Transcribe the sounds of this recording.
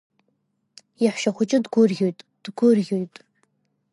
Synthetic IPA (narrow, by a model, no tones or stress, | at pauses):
jaħʷʃaχʷʊt͡ʃʼɪdɡʷʊrɣʲojtʼd̥ɡʷʊrɣʲojtʼ